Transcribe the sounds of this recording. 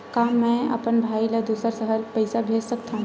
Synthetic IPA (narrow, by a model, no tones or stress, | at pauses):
kaːmɛ̃ɐ̰pənbʱaːiləd̪uːsəɾsəɦəlpɐɪsabʱeːd͡ʒsəkt̪aɦũ